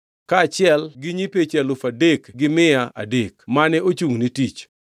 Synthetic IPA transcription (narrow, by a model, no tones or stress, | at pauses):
kat͡ʃɪɛlɡɪɲipet͡ʃɛlʊfadekɡɪmɪaa̰dekmanɛot͡ʃuŋnitit͡ʃ